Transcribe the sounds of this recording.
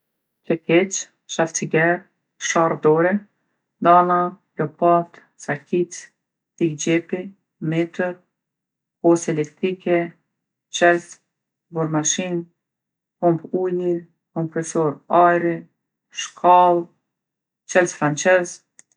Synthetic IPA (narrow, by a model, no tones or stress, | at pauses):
plɛkɛt͡ʃ | ʃaft͡siɡɛɾ | ʃard̪ɔɾɛ | d̪ana | lɔpat̪ | sakit͡s | t̪iɡd͡ʒɛpi | mɛt̪əɾ | pɔsɛlɛkt̪ɾikɛ | t͡ʃɛlt | buɾmaʃin | kɔmpuli | kɔmpɾɛsɔɾajɾi | ʃkʰalˠ | t͡ʃɛlt̪fɾant͡ʃɛz